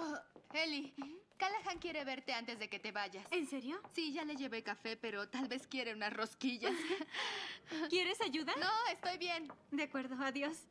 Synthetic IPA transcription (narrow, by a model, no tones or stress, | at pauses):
oelikalaxaŋkje̞ɾe̞βe̞ɾt̪e̞ant̪e̞zðe̞ke̞t̪e̞βaʝasenseɾjosiʝale̞ʝe̞βekafe̞pe̞ɾo̞t̪alβe̞skje̞ɾe̞unasro̞skiʝas | kjeɾesaʝuðanoest̪o̞jβje̞nd̪akwe̞ɾðoaðjo̞s